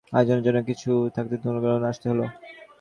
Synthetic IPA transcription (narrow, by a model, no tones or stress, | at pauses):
ad͡ʑonːod͡ʑonːokit͡ɕʰut̪ʰak̚t̪ed̪ʱonːobalonaʃt̪eɦolo